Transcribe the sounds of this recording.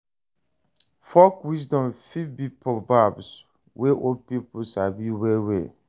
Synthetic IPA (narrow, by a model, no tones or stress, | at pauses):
fɔkwis̬dɔ̃mfibipʰɔvabs | weʔopipʰʊsabiwewḛ